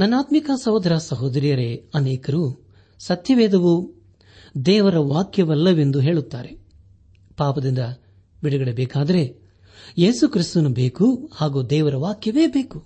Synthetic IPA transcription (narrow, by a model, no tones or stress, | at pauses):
nɐnːaːt̪mikaːsɐɦoːd̪ɾasɐɦoːd̪ɐɾijɐɾe̞ɐneːkɐɾuː | sɐt̪jɐʋɛːd̪ɐʋu | d̪ɛːʋɐɾɐʋaːkjɐʋɐlːɐʋe̞nd̪uɦe̞ːɭut̪ːaːɾe̞ | paːpɐd̪ind̪ɐ | biɽɐɡɐɽebɛːkaːd̪ɐɾe̞ | je̞ːsukɾist̪ɐnubeːkuhaːɡuːd̪ɛːʋɐɾɐʋaːkjɐʋe̞ːbeːku